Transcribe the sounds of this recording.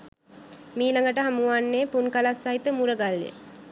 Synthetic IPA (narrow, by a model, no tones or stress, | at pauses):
miːlaŋɡəʈəɦamuʋanːeːpunkalasːaɦit̪əmuɾəɡalːjə̰